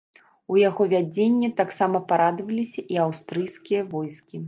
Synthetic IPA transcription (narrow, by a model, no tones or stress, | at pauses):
ujaɣɔvʲad͡zʲenʲːɛt̪aksamɐpaɾad̪vɐlʲisʲɐʔiawst̪ɾɨjskʲijɐvɔjskʲi